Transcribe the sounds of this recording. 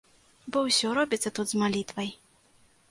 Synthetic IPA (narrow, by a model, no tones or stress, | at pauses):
bɔwsʲɔɾɔbʲit̪sːɐt̪ud̪zmalʲit̪vɐj